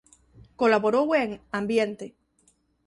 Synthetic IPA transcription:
ko̞laβoɾoweŋãmbjent̪e

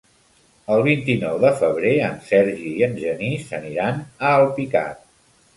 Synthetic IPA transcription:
əlˠβ̞int̪inɔwðəfəβ̞ɾeənsɛɾʒiːənʒənisəniɾanəːlˠpika̰t̪̚

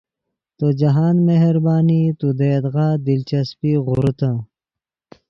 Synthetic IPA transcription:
t̪od͡ʑɐɦaːnmeɦɾbaːnit̪ud̪eːd̪ɣaːd̪ilt͡ɕɐspiːɣuɾt̪ã

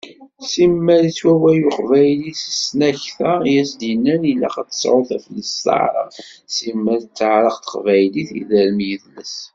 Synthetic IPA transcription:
simːæɾit͡sːwæwæjʊqvæjlisə̥snæçθæjæsd̪inːænilːæ̰χat͡sːə̥sʕʊθæfləstə̰ʕɾˤə̰ʁsimːæɾt͡sːəʕɾˤəqt̪ə̥qvæjliθḭðælmjəðləs

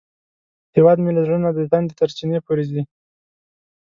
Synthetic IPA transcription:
hewɑd̪mɪlaɾunad̪əzand̪ət̪aɾt͡ʃinepoɾed̪i

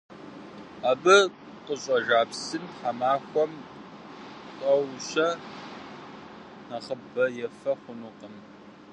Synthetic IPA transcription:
aːbɨ | qʼəɕʼɐʒaːpsɨnħamaːxʷɔm | tʼɐwɕɐ | nɐχəbɐjɛfɐχʷʊnuqʼəm

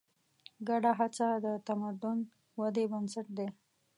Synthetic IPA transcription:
ɡaɖaɦat͡sad̪ət̪amad̪ʊn | wad̪ebansaʈ̚d̪e

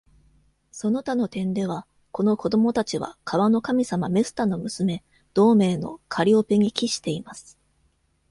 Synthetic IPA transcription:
so̞no̞t̪ano̞t̪ẽ̞nd̪e̞β̞a | ko̞no̞ko̞d̪o̞mo̞t̪at͡ɕiβa̰kʰaβano̞kamʲisamame̞sɨ̥t̪ano̞mɯ̟sɨme̞ | d̪̥o̞ːme̞ːno̞̰kʰaɾʲio̞pe̞ɲ̟ikʲiɕi̥t̪e̞imasɨ̥

